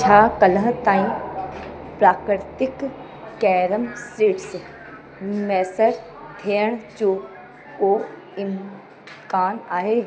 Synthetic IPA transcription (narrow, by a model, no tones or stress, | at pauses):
t͡ʃʰaːkələɦt̪ãːĩ | pɾaːkɾɾt̪ɪk | kɛːɾəmsɾiːʈs | mɛːsəɾ | d̪ʱeːəɳ̃t͡ʃoː | koː | ɪm | kaːnaːɦeː